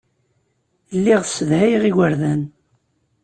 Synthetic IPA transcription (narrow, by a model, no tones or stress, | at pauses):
lːiʁθsəðhæjʁiwəɾðæn